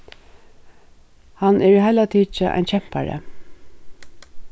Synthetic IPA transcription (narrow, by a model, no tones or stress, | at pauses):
hanʔɛɹiːhaɪlat̪ʰiːt͡ʃəʔa̰ɪnt͡ɕʰɛm̥pa̰ɹə̰